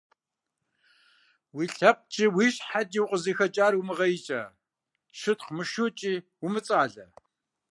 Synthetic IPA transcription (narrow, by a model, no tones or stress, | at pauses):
wiːɬɐp̚t͡ʃʼiwiːʃħadiwqʼəziːxɐt͡ʃʼaːrwumɨʁɐjit͡ʃʼɐ̰ | ʃɨtqmɨʃuːt͡ʃʼiː | wʊmɨt͡sʼaːɮɐ